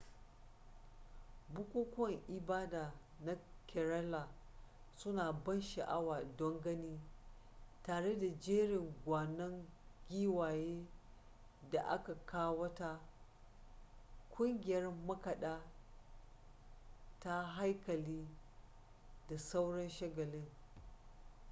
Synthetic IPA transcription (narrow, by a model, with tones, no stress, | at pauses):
bʊ˦kʷuː˦kʷɔ˦˨ŋʔɪ˨baː˦daː˨ | na˦kʰʲɛ˨ɾɐ˦la˨ | sʊ˦naː˨bɐ˦nʃa˨ʔa˦waː˨dɔ˦ŋɡɐ˦niː˦ | taː˨ɽe˦da˨d͡ʒeː˦ɽɪ˨ŋɡʷaː˨nɐ˦ŋɡʲiː˦waː˨jeː˦ | da˨ʔa̰˦ka˨kʰaː˦wɐ˦ta˦ | kʷʰʼʊ˦ŋɡʲɪ˨jɐ˦rmɐ˦kɐ˨ɗaː˦ | ta˦ɦa˦jkɐ˨liː˦ | da˨sa˦wɽɐ˦nʃɐ˦ɡɐ˨lɪ˦ŋ